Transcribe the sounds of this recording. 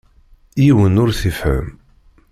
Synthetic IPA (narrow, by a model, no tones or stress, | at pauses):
jiwənʊɾθifhə̰m